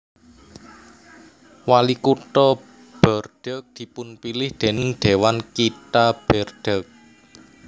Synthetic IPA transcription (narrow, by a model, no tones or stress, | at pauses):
walikuʈɔ | b̥ɔ̤rɖ̥ək̚d̪̥i̤pʊnpilɪhd̪̥e̤nɪŋd̪̥e̤wankit̪ab̥ɛrɖ̥ək̚